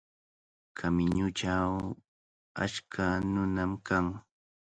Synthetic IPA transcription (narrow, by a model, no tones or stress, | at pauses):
kʰamɪɲʊʈ͡ʂaw | a̰t͡ʃkʰanʊnamkaŋ